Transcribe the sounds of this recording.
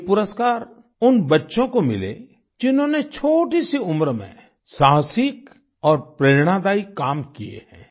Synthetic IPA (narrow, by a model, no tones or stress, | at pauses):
pʊɾəskaːɾ | ʊnbətːʃõkomɪ̰lḛ | d͡ʒɪnɦõnet͡ʃʰoːʈisiʊmɾəmḛ̃ | saːɦsɪk | ɔːɾpɾeːɾɽ̃ad̪aːikːaːmkijḛhɛ̰̃ː